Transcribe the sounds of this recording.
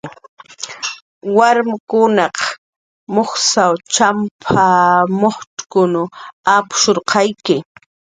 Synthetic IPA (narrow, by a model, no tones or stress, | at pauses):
waɾmakʊnɑq | moχsawt͡ʃampʰamoχʈ͡ʂkʊnʊapʊ̥ʃoɾqʰɑjkɪ